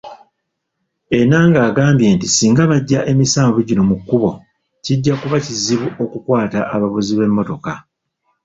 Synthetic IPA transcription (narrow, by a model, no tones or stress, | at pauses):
e̞naːŋɡaːɡaːmbje̞ːntisiːŋɡaβaɟːaʔe̞misaːmvuɟino̞mukːuβo̞ | ciɟːakuβaciziβuo̞kukwaːtaʔaβaβuziβe̞mːo̞to̞ka